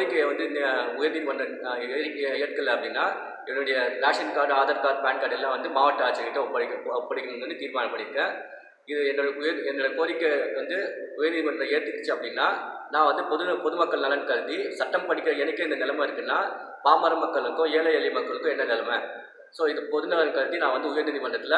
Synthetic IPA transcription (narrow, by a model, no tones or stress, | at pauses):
koːɾɪkːɐjʋɐnd̪ɯnɐʊjɐɾðipɐnɐ | ɛɾɪkːeːʈ̚kɐlːɐɐpːɐɽɪnːaː | ɛnːɯɽɐjɐɾaːʂɪnkaːɽaːðɐɾkaːɾpaːnkaːɽɪlːãːʋɐnd̪ɯmaːʋɐʈːɐaːt͡ʃːɪkɪʈːɐɔpːɐɽɪkːʊpːɐɽɪkːɐnɯnɡɐnd̪ɯt̪iːɾmaːnɐpɐɳːɪɾɯkːẽː | ɪðɯɛnːɐʊjɐɛnːɯɽɐkoːɾɪkːɐʋɐnd̪ɯʊjɐɾnɪnipɐɳɖɾɐ̃eːɾt̪ɯkːɯ̥t͡ʃːɐpːɐɽɪnːaːnãːʋɐnd̪ɯpɔðɯnɐpɔðɯmɐkːɐɭnɐlɐnkɐɾɯðisɐʈːɐmpɐɽɪkʲːɾɐɛnɐkːɯ̃ɪnd̪ɐnɪlɐmɐ̃ɪɾɯkːɯnːaː | paːmɐɾɐmːɐkːɐɭɯɾɯkːʊ̃eːlɐɛɭɪmɐkːɐɭɯkːʊ̃ɛnːɐnɪlɐme | soːɪðɯpɔðɯnɐlɐnkɐɾɯðinãːʋɐnd̪ɯʊjɐɾnɪniʋɐɳɖɐt̪ːɪlɐ